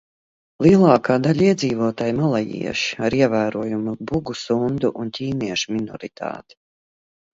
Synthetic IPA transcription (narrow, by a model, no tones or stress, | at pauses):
lˠiɛlˠɑːkaːd̪aʎʲiɛd̪ziːvuɔt̪aːjmalˠajḭɛʃaɾiɛvæːɾuɔjumubuɡusund̪uʔuncʲiːniɛʃuminɔ̰ɾit̪ʰa̰ːt̪i̥